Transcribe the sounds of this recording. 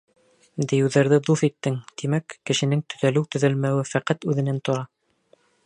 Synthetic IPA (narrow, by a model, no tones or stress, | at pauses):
d̪ɘ̆jɘ̆wðæɾðɘd̪uθit̪ːɘŋt̪imækːɘ̆ʃɘ̆nɘŋt̪ɵ̆ðælɘwt̪ɵ̆ðælmæwɘfæqæt̪ʉðɘ̆nænt̪ŏɾɑ